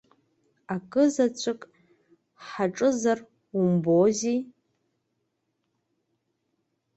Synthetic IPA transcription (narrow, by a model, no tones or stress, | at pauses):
akʼɨzat͡ɕʷʰɨkʼ | ħaʈ͡ʂʼɨzar | umbozi